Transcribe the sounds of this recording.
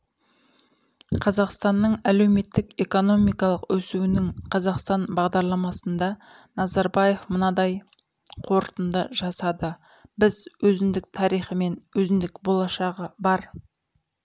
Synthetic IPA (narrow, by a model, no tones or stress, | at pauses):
qʰɑzɑqst̪ɑnːəɴæle̞wme̞t̪ːɪke̞ko̞no̞mijkɑlˠəqwɵsuwɪnɪŋqʰɑzɑqst̪ɑnbɑʁd̪ɑɾlˠɑmɑsənd̪ɑ | nɑzɑɾbɑje̞fmənɑd̪ɑj | qʰo̞ɾt̪ənd̪ə̰ʒɑsɑd̪ə | bɪzwɵzɪnd̪ɪk̚t̪ʰɑɾijχəme̞nwɵzɪnd̪ɪkbo̞lˠɑʃɑʁəbɑɾ